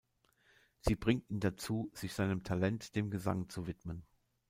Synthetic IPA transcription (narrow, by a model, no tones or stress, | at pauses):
z̥iːbʁɪŋtiːndat͡suːz̥ɪçz̥aɪnəmtʰalɛntd̥eːmɡəza̰ŋt͡suvɪtmən